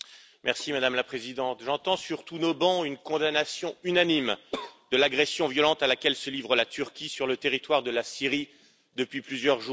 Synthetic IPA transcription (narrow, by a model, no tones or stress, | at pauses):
mɛʁsimad̪amlapχezid̪ɑ̃t̪ʒɑ̃t̪ɑ̃syʁt̪unobɑ̃ynkɔ̃d̪anasjɔ̃ynanimd̪̥əlaɡʁɛsjɔ̃vjɔlɑ̃t̪alakʲɛlsəlivʁəlat̪ʰyʁkʲisyʁlət̪eʁit̪waʁd̪əlasiʁi | d̪əpɥiplyzjœʁʒu